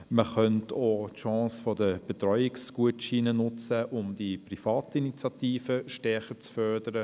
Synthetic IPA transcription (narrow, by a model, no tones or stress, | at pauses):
məχœntʰoːtʃɑ̃ːsfɔdəb̥et̪ɾɔʏɪksɡ̥uətʃiːnənʊt͡səʔʊmdiprifɑːtinit͡sjɑt̪iːfəʃtɛχət͡sfœrdəɾə